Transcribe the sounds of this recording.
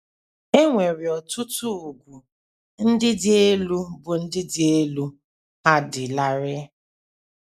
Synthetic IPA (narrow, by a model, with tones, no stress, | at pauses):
e˦ŋʷe˨ɾɪ˨ɔ˨tʊ˦tʊ˦˨ɡʷu˨ | n̩˦dɪ˦dɪ˦e˦lu˦bʊ˨n̩˦dɪ˦dɪ˦e˦lu˦ | a˦dɪ˨la˦ɾɪ˦